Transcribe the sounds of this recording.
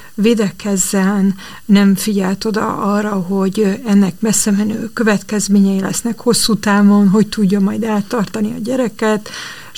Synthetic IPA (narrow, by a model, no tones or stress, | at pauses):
veːd̪ɛkɛzːɛnː | ɛɱfiɟɛlt̪o̞d̪ɒ̰ɒrːɒɦo̞ɟɛnːɛkmɛsːɛmɛnøːkø̞vɛt̪kɛzmeːɲɛjilɛ̰snɛkho̞sːuːt̪aːvo̞nɦo̞ct̪uɟːɒmɒjd̪aːt̪ːɒrt̪ɒniɒɟɛɾɛkɛt̪